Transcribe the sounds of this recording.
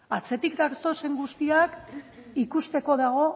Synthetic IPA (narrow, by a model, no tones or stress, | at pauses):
at͡se̞t̪ikd̪aɾso̞se̞ŋɡust̪iakikust̪e̞ko̞ðaɣ̞o̞